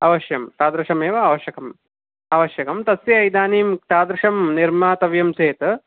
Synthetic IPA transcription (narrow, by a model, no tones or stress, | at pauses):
ɐʋɐʃjɐmt̪aːd̪ɾɐʂɐmeːʋɐaʋɐʃjɐkɐm | aɐʋɐʃjɐkɐmt̪ɐsjɐɐjd̪aːniːmt̪aːd̪ɾɐʂɐmniɾmaːt̪ɐʋjɐmseːt̪